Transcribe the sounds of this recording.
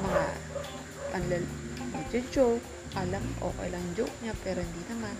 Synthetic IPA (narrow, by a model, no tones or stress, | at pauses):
mɐŋa̰ | pɐnlɐl | mɐd͡ʒod͡ʒok̚ | ʔɐlamʔo̰kḛjlɐŋd͡ʒo̰kɲapɛɾohɪnd̪inɐman